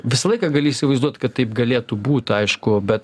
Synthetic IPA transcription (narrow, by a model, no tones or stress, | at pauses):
ʋʲɪsɐlˠɐɪkɑɡɐlʲɪiːsʲɪʋɐɪzd̪uɔt̪ʲkɐt̪tɐɪpɡɐlʲeːt̪ubuːt̪ʲɐɪʃkʊbʲɛt̪